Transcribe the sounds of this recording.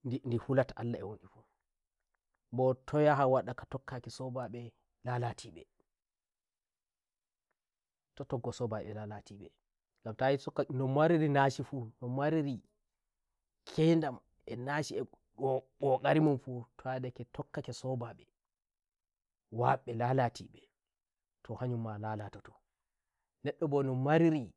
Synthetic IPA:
ndihulataʔa̰lːaɛwonɗifu | bɔtʰɔjaɦawaɗakatɔkːakɛsɔbaɓɛ | lalatʰiɓɛ̰ | tɔtɔɡːɔsɔbaɓɛ̰lalatiɓɛ | ɡamtajisɔanɔmaɾiɾinaʃifunɔmwaɾiɾi | kʰɛndam | ɛnaʃiɛ | ɡɔkʼaɾimamfutʰadɛkɛtʰɔkːakɛsɔbaɓɛ | waɓːɛlalatʰiɓɛ | tʰɔhaɲumːalalatɔtɔ̥ | nɛɗːɔbɔnɔmaɾiɾi

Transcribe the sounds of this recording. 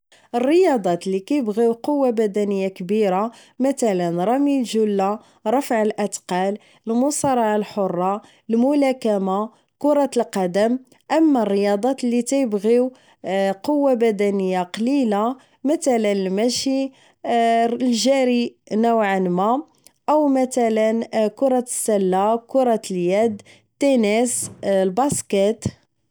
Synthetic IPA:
ʔərːəjɑd̪ˤɑt̪likæjəbɣiwqowːabæd̪ænəjːakbiɾa | mæt̪ælənɾˤɑmilʒulːa | ɾˤɑfʕəlʔæt̪qɑl | əlmʊsˤɑɾˤɑʕalħorˤːɑ | lmʊlækæma | kʊɾˤɑt̪əlqɑd̪əm | ʔəmːærːəjɑd̪ˤɑt̪lik̪æjəbɣiw | qowːabæd̪ænəjːaqɑlila | mæt̪ælənəlmæʃi | lʒæɾinæwʕanmæ | ʔəwmæt̪ælənkʊɾˤɑə̥sːælːakʊɾˤɑt̪ljæd̪ | t̪ːænislbɑskæt̪

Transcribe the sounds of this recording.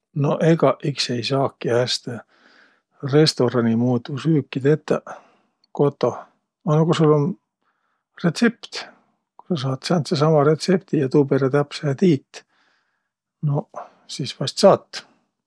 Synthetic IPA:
no̞ʔeɡɑʔikse̞jsɑːkːiæːst̪e | re̞st̪o̞ɾɑnimuːt̪usyːkːid̪et̪ːɑ | ko̞t̪ːˑo̞ | ɑnokusulːon | ret̪se̞pt̪ | ku̥sɑs̬ɑːt̪sɑːnt̪sesɑmɑɾet̪se̞p̚t̪ijɑt̪upeɾet̪æpseet̪iːt̪ːˑ | no̞ | sispɑst̪sɑːt̪ː

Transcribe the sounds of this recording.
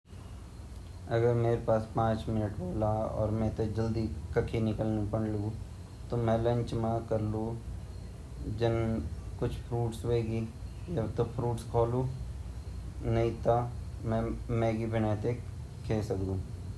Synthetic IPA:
ɐɡəɾmeːɾepaːspãːt͡ʃmɪnəʈboːlaɔ̰ːɾmɛ̃t̪od͡ʒɐld̪ikɐkʰinɪkəlnpɐɽlɡu | t̪omɛ̃lɐ̃ɲt͡ʃmãkɐɾlu | d͡ʒɐnkʊt͡ʃʰpʰɾuːʈsʋeːɡi | jɐt̪opʰɾuːʈskʰoːluː | nɐɦĩt̪a | mɛ̃mɛ̃ːɡibʱɪnaːt̪e | kʰeːsɐkd̪ũː

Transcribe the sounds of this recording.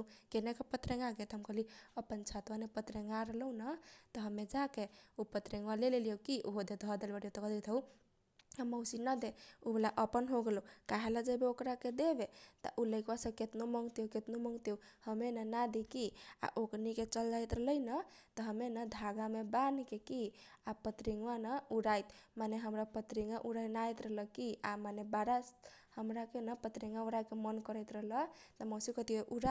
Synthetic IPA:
kenekepət̪ɾeŋɡaɡet̪ɦəmkəɦliəpənt͡ʃʰat̪wanepət̪ɾeŋɡaɾələunət̪ɔɦəmːed͡ʒakeupət̪ɾeŋɡwalelelijowkiʔoɦod̪ed̪ʱɔd̪elbəɽjot̪əkd̪et̪ʰəu | aməwsinəd̪eubelaʔəpənɦoɡelukaɦeləd͡ʒəbeokɾaked̪ebet̪ə̰ʔuləɪkwasəbket̪noməŋɡt̪euket̪noməŋɡt̪eu | həmenənad̪ikia̰ʔokniket͡ʃəld͡ʒajt̪ɾələjnət̪əɦəmenəd̪ʱaɡamebankekiapət̪ɾiŋɡanəuɾajt̪maneɦəmɾapət̪ɾiŋɡaʔuɾajnajt̪ɾələkiamanebaɾashəmɾakenəpət̪ɾiŋɡauɾakemənkəɾəjt̪ɾəɦlət̪əmosikət̪ieʔuɾa

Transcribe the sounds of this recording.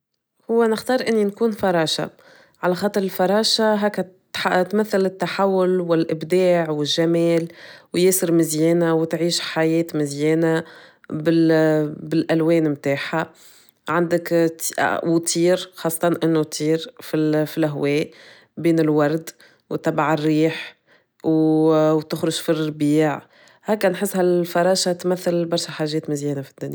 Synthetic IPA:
hʊwːænɪxt̪ɑːɾˤʔɪnːinkuːnfɑɾˤɑːʃa̰ | ʕalæxɑːt̪ˤɨɾɪlfɑɾˤɑːʃaɦɛːk̪ | at̪mæθːɪlɪt̪ːaħawːʊlwɪlʔɪbd̪aːʕwɪʒːæmɛːlwjeːsɪɾmɪzjɛːnawt̪ʕiːʃħajɛːt̪mɪzjɛːna | bɪ | bɪlʔælwɛːnmt̪aːħa | ʕand̪ɪkt̪wt̪ʰiːɾxɑːsˤːɑt̪ɑnʔɪnːut̪ʰˤiːɾfifilɦwɛːʔ | biːnɪlwɑɾˤd̪ | wt̪ɑbaʕɪrːiːħ | wt̪ʊxɾʊʒfiˤbiːʕ | hɛːkænħəsːhælfɑɾˤɑːʃat̪mæθːɪlbɑɾˤʃaħaːʒːɛːt̪mɪzjɛːnafid̪ːʊnja

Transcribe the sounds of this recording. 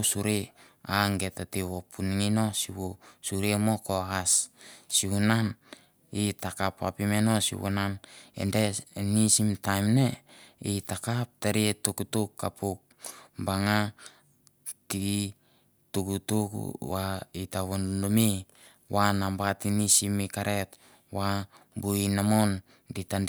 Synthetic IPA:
suɾe | aŋɡe̞tatiβopuniŋino̞siwosuɾemo̞ko̞assihunan | itakapa̰pimeno̞sḭβo̰nanḛndenisimtajmneitakap̚teɾietukutukːa̰puk̚ | baŋa | ti | tukutukṵwaitaβonndomi | wanambatinisimikaɾʔe̞t | wabuinamon | ditan

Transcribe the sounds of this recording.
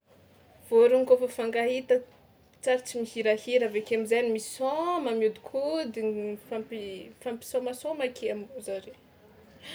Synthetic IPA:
v̥oɾuŋikofofaŋɡaɦit̪ə | t͡saɾit͡simihiɾahiɾavekeamizanimisɔmamiud̪i̥kʰud̪ifampifampi̥somasomakʰeamiuzaɾe

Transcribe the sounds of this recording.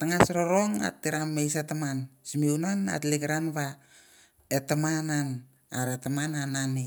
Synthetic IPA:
taŋasɾoɾoŋa̰tːiɾamːejs̬atamansimiunana̰tliɡɾanβa | etamanan | aɾetamananani

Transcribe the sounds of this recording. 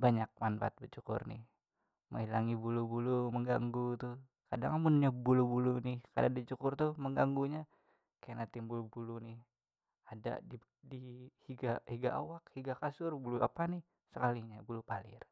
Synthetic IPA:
baɲak̚manpa̰t̪̚bət͡ʃukʊ̰rnɪ̰h | mə̰ŋilaŋibulubuluməŋɡaŋɡut̪u | kadaŋamʊnɲabulubulunɪhka̰dadət͡ʃukʊrt̪uməŋɡaŋɡuɲa | kaanat̪imbulubulunɪh | ada̰di | dihiɡahiɡaʔawak̚hiɡakasʊrbuluapanɪh | səkaliɲabulupalɪ̰r

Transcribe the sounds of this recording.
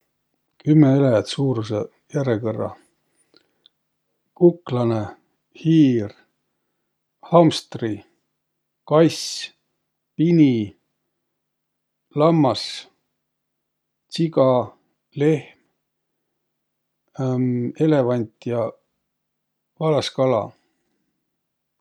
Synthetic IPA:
kymːeelejɑt̪suːɾuse | jæɾekɤrːɑ̰ | kuklɑne | hiːr | hɑmst̪ri | kɑjs | pini | lɑmːɑs | t̪siɡɑ | le̞hm | e̞le̞vɑnʲt̪jɑ | vɑlɑskɑlɑ̰

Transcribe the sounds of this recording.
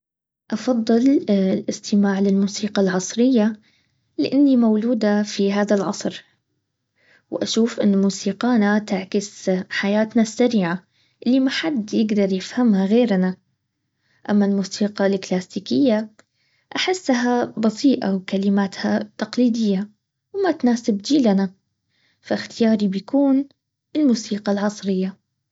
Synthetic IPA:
ʔɑfɑðˤːɨllʔɪst̪ɪmaːʕlɪlmuːsiːqɑlʕɑsˤɾɪjːa | lɪʔɪnːimawluːd̪afiɦaːðalʕɑ̰sˤɾ | wʔaʃuːfʔɪnːmuːsiːqaːnat̪ɪʕkɪsħajaːt̪nasːaɾiːʕa | ʔɪlːimaħad̪jɪɡd̪ɑɾˤjɪfhamhaɣeːɾna | ʔamːalmuːsiːqɑlklaːsiːkɪjːa | ʔaħɪsːaɦabɑsiːʔa̰wkalɪmaːt̪hat̪ɑqliːd̪ɪjːa | wmat̪naːsɪbd͡ʒiːlana | faxt̪ɪjɑːɾibjkuːn | ɪlmuːsiːqɑlʕɑsˤɾɪjːa

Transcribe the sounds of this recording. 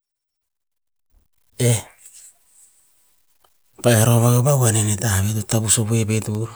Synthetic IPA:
e | paeɾoβaɡobawanenetahaβetutabusobuepetu

